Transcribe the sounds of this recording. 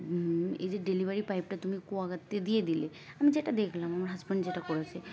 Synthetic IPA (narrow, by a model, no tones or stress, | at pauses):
ḛjzeɖelibʱaɹipajp̚ʈat̪umikuaɡat̪ːed̪ijed̪ile | amid͡ʑeʈad̪ekʰlamamaɹɦazbanzeʈakɔɹasʰe